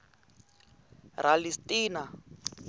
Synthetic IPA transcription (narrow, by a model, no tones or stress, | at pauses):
ralistʼiːna